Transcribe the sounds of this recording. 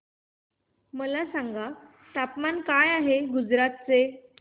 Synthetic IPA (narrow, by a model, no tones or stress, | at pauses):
məlasaŋɡa | t̪apmankajaɦeɡud͡zɾat̪̚t͡se